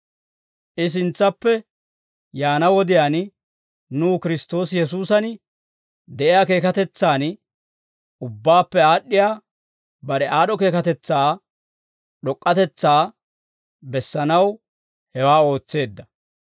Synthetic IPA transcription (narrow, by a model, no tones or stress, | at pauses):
ʔɪs̬ɪnt͡sːɐpːɛ | jaːnɐwɔd̪ɪjaːn | nuːkɪɾɪst̪o̞ːsjɛs̬uːsɐn | d̪ɛʔɪjaːke̞ːkɐt̪ɛt͡sːaːn | ʔʊbːaːpːɛaːɗːɪjaː | bɐɾɛʔaːɗɔke̞ːkɐt̪ɛt͡sːaː | ɗɔkʼːɐt̪ɛt͡sːaː | bɛsːɐnɐw | hɛwaːo̞ːt͡sːe̞ːd̪ːɐ